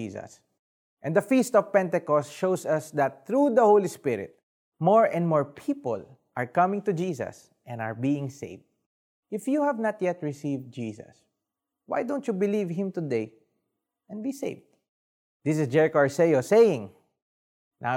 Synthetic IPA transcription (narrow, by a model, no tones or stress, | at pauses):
isɐ̰s | ʔɛ̃nd̪əfist̪ɔv̥pɛ̃nt̪ɛkɔstʃowsɐsd̪at̪̚θɹud̪ɐhowlispɪɹɪ̰t̪̚ | mɔɹɛ̃nmɔɹpʰiːpɔ̰l | ʔaɹkʌmɪ̃ŋt̪ud͡ʒiːsɐ̰s | ʔɛ̃na̰ɹbiɪ̃ŋsḛɪvd̚ | ɪfjuhævnat̪̚jɛt̪ɹɪsivd̪̚d͡ʒiːsɐ̰s | wa̰jd̪õʊ̃nt̪jubɪlivɦɪ̃mt̪ʊd̪eɪ | ʔɛ̃nbisḛɪvd̪ | d̪ɪs̬ɪsd͡ʒɛɹɪkoaɹsejosejɪ̃ŋ | nʔa̰